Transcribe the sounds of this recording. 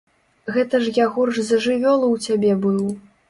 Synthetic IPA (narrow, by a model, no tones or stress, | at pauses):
ɣɛt̪ɐʐjaɣɔrʐzɐʐɨvʲɔlˠɐwt͡sʲabʲɛbɨw